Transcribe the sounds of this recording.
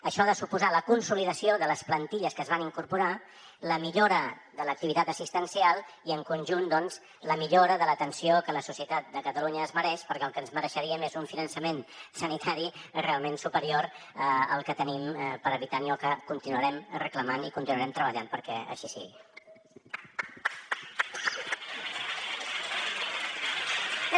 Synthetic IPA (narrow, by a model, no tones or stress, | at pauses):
əʃɔðəsupuzaləkunsuliðəsioðələsplənt̪iʎəskəːzβaniŋkuɾpuɾa | ləmiʎoɾə | ðələk̚t̪iβit̪at̪əsist̪ənsialˠ | iəŋkunʲʒund̪ɔnz | ləmiʎoɾəðələt̪ənsiokələsusiət̪at̪̚d̪əkət̪əluɲəːzməɾɛʃpəɾkɛəlˠkənzməɾəʃəɾiəmezuɱfinənsəmensənit̪ʰaɾirealˠmensupəɾioɾəə̰lˠkət̪ənimpəɾəβit̪aniɔkəkunt̪inuəɾɛmrəkləmanikunt̪inuəɾɛmt̪ɾəβəʎampəɾkɛə̰ʃisḭɣi